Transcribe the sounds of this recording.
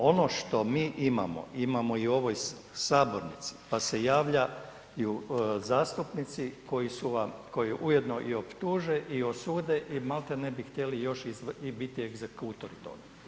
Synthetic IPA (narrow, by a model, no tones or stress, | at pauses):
o̞no̞ʃt̪o̞miːʔima̰mo̰imamo̞iuo̞ʋo̞j | saːbo̞ɾnit̪si̥pase̞jaːʋʎa | juzaːst̪upnit̪siko̞jisuʋamko̞jiʔuje̞d̪no̞ʔio̞pt̪uːʒeʔiosuːd̪eʔimalt̪enebixt̪ʲje̞lijo̞ʃizibit̪ieɡzekut̪oɾut̪o̞̰ːɡea